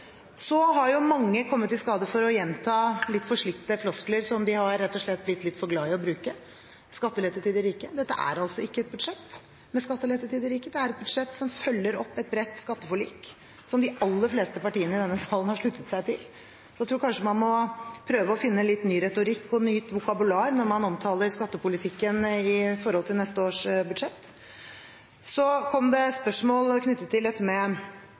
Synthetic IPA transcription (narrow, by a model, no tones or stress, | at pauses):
sɔɦɑɾjʊmɑŋːəkʰɔmːət̪ːɪskɑːd̪əfɔɾɔjɛnt̪ʰɑːlɪt̪ːfɔʂɭɪkt̪ːəflɔskləɾsɔmd̪ɪhɑɾːɛt̪ːɔʂɭɛt̪̚ːblɪt̪ːlɪt̪ːfɔɾɡlɑːɪɔbɾʉːkə | skɑt̪ːəlɛt̪ːət̪ʰiːd̪ɪɾiːkəd̪ɛt̪ːə̰ʔæ̰ɾɑlsɔɪkːəɛt̪̚bʉd̪ʂɛt̪ː | mɛskɑt̪ːəlɛt̪ət̪iːd̪ɪɾiːkəd̪ɛæɾɛt̪̚bʉd̪ʂɛt̪ːsɔmfœlːəɾɔpːɛt̪̚bɾɛt̪ːskɑt̪ːəfɔɭḭːk | sɔmd̪ɪɑlːəfleːst̪əpɑʈiːənəɪd̪ɛnːəsɑːlənhɑʂɭʉt̪ːət̪sæɪt̪ʰɪl | sɔjɛæt̪ɾuːɾkɑnʂəmɑnmɔpʰɾøːʋəɔfɪnːənlɪt̪nyːɾɛt̪ʊɾɪkːɔnyːt̪ʋʊkɑbʉlɑːɾnɔɾmɑnɔmt̪ʰɑːləɾskɑt̪ːəpʊlɪt̪ʰɪkːənɪfɔɾhɔlt̪ʰɪlnɛst̪əoːʂbʉd̪ʂɛt̪ː | sɔkʰɔmd̪ɛspœʂmoːlkʰnʏt̪ːət̪ːɪld̪ɛt̪ːəmɛ